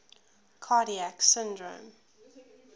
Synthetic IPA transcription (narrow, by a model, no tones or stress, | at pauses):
kʰɑːɾiæksɪ̃ndɹõ̰m